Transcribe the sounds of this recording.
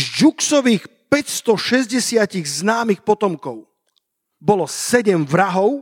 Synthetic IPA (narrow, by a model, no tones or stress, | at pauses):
d͡ʒuksɔʋiːxpɛcst̪ɔʃɛzɟɛsɪaciɣznaːmixpɔt̪ɔmkɔʊ | bɔlɔsɛɟɛmvɾaɦɔʊ